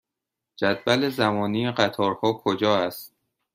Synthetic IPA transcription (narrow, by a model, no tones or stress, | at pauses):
d͡ʒæd̪væle̞zæmɒːnijeɢæt̪ʰɒːɾhɒːkʰod͡ʒɒːæst̪̚